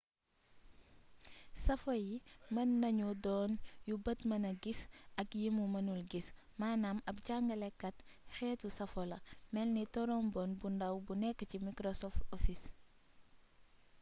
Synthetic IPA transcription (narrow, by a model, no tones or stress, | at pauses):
sɐfojimɐnːɐɲudɔːnjubɐtmɐnɐɡisɐkjimumɐnulɡis | maːnamɐp̚ɟaŋɡɐlɛkːɐtxɛːtusɐfɔlɐmɛlnitɔɾɔmbɔnbundɐwbunɛkːəcimikɾosɔftofis